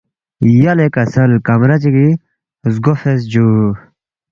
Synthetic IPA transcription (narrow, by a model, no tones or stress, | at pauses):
jalekɐsɐlkɐmɾɐt͡ɕiɡi | zɡofes̬d͡ʑu